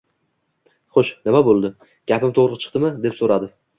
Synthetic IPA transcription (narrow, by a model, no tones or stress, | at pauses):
χoʃnɪmabolˠd̪ɪ | ɡ̥ʲapʰɪmt̪ʰoʁɾɨt͡ʃʰɨ̥qt̪ɪmɪd̪e̞psoɾad̪ɪ